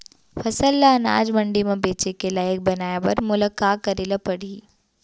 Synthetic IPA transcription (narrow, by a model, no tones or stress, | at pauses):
fʰɐsəlːana̰ːd͡ʒmɐ̃ɳɖimẽbeːt͡ʃekelaːjək̚bɐnaːjabɐɾmʊləkːaːkɐɾeːləpɐɽiː